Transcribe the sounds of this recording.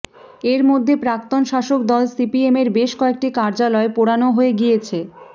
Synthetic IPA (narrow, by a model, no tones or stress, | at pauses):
eɾmod̪ʱːepɾak̚t̪onʃaʃok̚d̪ɔlsipiemeɾbeʃkɔek̚ʈikaɾd͡ʑalɔepoɽanoɦoeɡijet͡ɕʰe